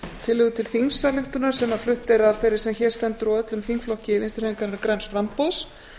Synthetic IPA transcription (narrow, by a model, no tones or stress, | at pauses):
t̪ʰɪlɪɣðʏt̪ʰɪlθiŋksalɪht̪ʏnaɾ̥sɛmːaflʏht̪ɪɾavθejɾːɪ̥sɛmçɛɾ̥st̪ɛnt̪ʏɾuœt̪lʏmθiŋkflɔhcɪɪvinst̪ɪ̥ɾeːnɪŋkaɾnʏkɾɛnsfɾampos